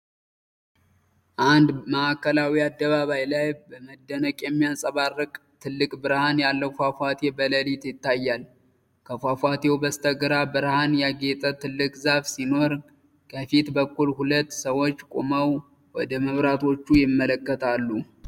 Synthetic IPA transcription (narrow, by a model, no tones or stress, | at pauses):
ʔand̪məʔakːəlawiad̪ːəβaβajlajbəməd̪ːənəkʼjɛmːijansʼəβarːɨkʼt̪ʰɨlːɨkʼbɨɾhanjalːəfafat̪ʰebələlit̪jɪt̪ːajːal | kʰəfafʷat̪ʰewbəst̪ʰəɡɨɾabɨɾhanjaɡe̞t̪ʼət̪ɨlːɨkʼzaβsino̞ɾ | kʰəfit̪bəkːulhulət̪ːsəwo̞t͡ʃːkʼoməw | wɔd̪əməβɾat̪ʰo̞t͡ʃːujɪmːələkːət̪ʰalːu